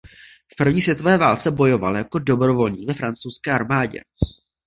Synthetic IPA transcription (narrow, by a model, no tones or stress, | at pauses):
fpr̩vɲiːsvjɛt̪o̞vɛːvaːlt͡sɛbo̞jo̞va̰ljako̞do̞bɾo̞vo̞lɲiːvɛfɾant͡sowskɛːʔaɾmaːɟɛ̰